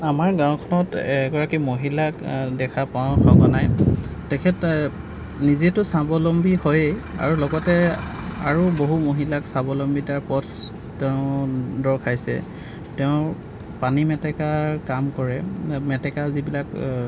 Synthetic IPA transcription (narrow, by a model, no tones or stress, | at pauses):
amaɹɡãw̃kʰɔnɔtɡɔɹakimoɦilakdɛkʰapãkʰɔɡɔnajtɛkʰɛt | nizetʊsabɔlɔmbihojea̰ɹulɔɡɔtɛaɹuboɦumoɦilaksabɔlɔmbitaɹpɔtʰː | ɛʊ̃dɔɹkʰajsɛ̰ | tɛʊ̃ | panimɛtɛkakamkɔɹɛmɛtɛkazibilak